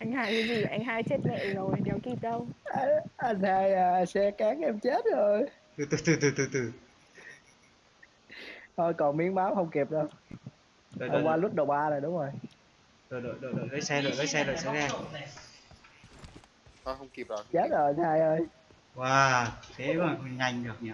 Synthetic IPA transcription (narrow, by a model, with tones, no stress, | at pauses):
ʔa˧jŋ̟haː˧jki˨˦zi˨˩ʔa˧jŋ̟ɦaː˧jt͡ɕe˦˥t̚lə̰˧˨zo˨˩jɗɛ˨˩wki˧˩t̚ɗə˧wʔa˧ʔa˧ŋhaː˧jəː˨˧˩sɛ̰˧˥kaː˨˦ŋʔɛ˧mt͡ɕe˦˥t̚zo˨˩j | t̪ɨ˨˧˩t̪ɨ˨˧˩t̪ɨ˨˩t̪ɨ˨˩t̪ɨ˨˧˩t̪ɨ˨˧˩ | ʔə˧˩jkɔ˨˩nmi˨˦əŋmaː˨˦whə˧wŋ͡mki˨˩əp̚ɗə˧w | ə˨˩˨waː˧lu˦˥t̚ɗə˨˩wɓaː˧zo˨˩jɗʊ˨˦ŋ͡mzo˨˩j | ɗo˨jɗo̰˧˨jɗo̰˨jɗo̰˧˨jɗə˨˦jsɛ˧ɗo̰˧˨jɗə˨˦jsɛ˧ɗo̰˧˨jsɛ˧˦˧a˧ | hɔ˨˦hə˧wŋ͡mki˨˩p̚ɔ˨˩t͡ɕe˦˥t̚zo˨˩t̪ʰaː˧jʔəː˧j | waː˨˧kʰe˨˦˨ŋa˧˩jŋ̟ɗɨ˨˩ək̚ɲaː˨˩